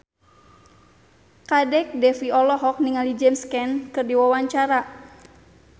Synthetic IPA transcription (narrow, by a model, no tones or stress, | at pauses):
kadɛk̚dɛfiɔlɔɦɔk̚niŋalid͡ʒɛmskɛnkɨrdiwawaɲt͡ʃaɾa